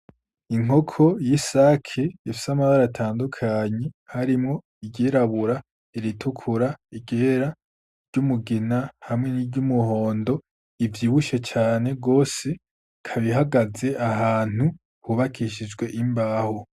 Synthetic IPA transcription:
iŋ̥o̞kʰo̞jisaːkʰeifi̥samaβaɾatʰaːndukʰaɲehaɾimŋo̞ | iɟeɾaβuɾa | iɾitʰukʰuɾaiɡe̞ɾa | ɾɟ̥umuɡinahamŋe̞niɾɟumuho̞ːndo̞ | ivjiːβuʃe̞t͡ʃaːne̞ɡo̞ːse̞ | kʰaβiɦaɡaze̞ʔaɦaːn̥u | huβakʰiʃid͡ʒɡwe̞ʔimbaːho

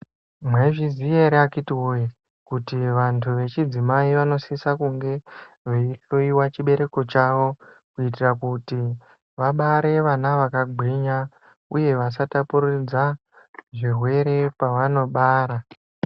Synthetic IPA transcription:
mwe̞ʐizijeɾeakitiwoji | kutiʋantʰuʋe̞t͡ʃid͡zimaiʋano̞sisakuŋɡe̞ | ʋeiɬo̞iwat͡ʃiɓe̞ɾe̞ko̞t͡ʃaʋo̞ | kuit̬irakuti | ʋaɓaɾe̞ʋanaʋakaɡʱwiɲa | uje̞ʋas̬atapurid͡za | ʐirwe̞ɾe̞paʋano̞ɓaːɾa

